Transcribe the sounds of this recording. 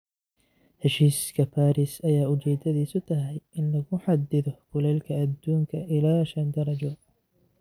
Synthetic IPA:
hɛʃiːskʰɐpʰaːɾisɐjaːʊt͡ʃɛːd̪ɐðiːsʊt̪ʰɐɦɛjʔɪnlɐɣʊħɑd̪ɪðɔfʊlɛːlkʰɐːd̪ːuːŋkʰɐʔɪlaːʃɐnd̪ɐɾˤɐd͡ʒɔ

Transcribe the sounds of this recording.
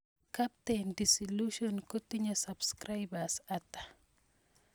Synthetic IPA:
kap̚tendisɔluʃɔnkɔtiɲɐsabskɾajbasatːḁ

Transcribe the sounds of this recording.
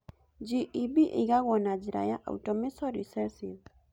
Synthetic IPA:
d͡ʒiʔibiʔɪɡaɡɔnad͡ʒiɾa̰jaʔa̰ṵtɔmɪsɔɾisɛɾsɪd

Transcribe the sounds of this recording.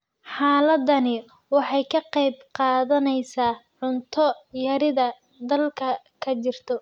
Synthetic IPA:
ħɑːlɐd̪ɐnɪ | wɑħɑjkʰɐqɑjbqɑːðɐnɛjsaːʕʊnt̪ʰɔjɐɾɪðɐ | d̪ɐlkʰɐ | kʰɐt͡ʃɪrt̪ʰɔ

